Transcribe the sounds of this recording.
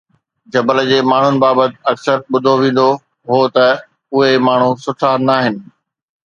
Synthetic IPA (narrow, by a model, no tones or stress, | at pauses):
d͡ʑɐbəld͡ʑeːmaːɳ̤ʊnɪ̆baːbət̪ɪ̥̆ɐksəɾɓʊd̪ʱoʋẽːn̆d̪o | ɦot̪ɐ | ʊɦemaːɳ̤usʊʈʰanaːɦɪnɪ̆